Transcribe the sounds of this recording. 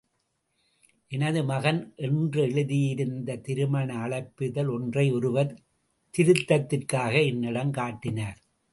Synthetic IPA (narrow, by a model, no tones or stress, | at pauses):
ʔɛnɐðɯmɐɣɐnʔɛndrɯɛɻɯðɪjɪɾɯnd̪ɐt̪ɪɾɯmɐɳɐːɭɐɪpːɯðɐlɔndrɐɪɔɾɯʋɐɾ | t̪ɪɾɯt̪ːɐt̪ːɪrkaːɣɐɪnːɪɽɐmkaːʈːɪnaːɾ